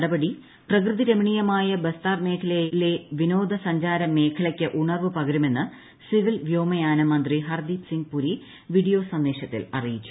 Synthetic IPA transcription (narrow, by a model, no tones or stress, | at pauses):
ɽɐbɐɽi | prɐkrɨðiɾemiɳijɐmaːjɐbest̪aːrme̞ːkʰɐlele̞ʋino̞ːd̪ʱɐsɐɲd͡ʑaːɾɐme̞ːkʰɐlɐkʲːɨʔuɳɐrʋɨpɐɡɐɾume̞nːɨ | siʋilʋjo̞ːmɐjaːnɐmːɐnd̪riɦɐrd̪iːpsiŋɡpuɾi | ʋiɽijo̞ːsɐnd̪e̞ːɕɐt̪ːḭlɐ̰rijit͡ɕːu̥